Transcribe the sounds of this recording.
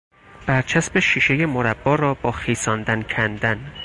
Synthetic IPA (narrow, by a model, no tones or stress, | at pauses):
b̥æɾt͡ʃʰæsbeʃiːʃe̞je̞moɾæbːɒːɾɒːbɒːxiːsɒːnd̪æncʰænd̪æn